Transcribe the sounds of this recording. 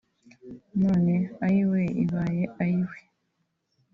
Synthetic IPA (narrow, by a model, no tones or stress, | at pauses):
noːneaɾiweḭβaːjeaɾiwe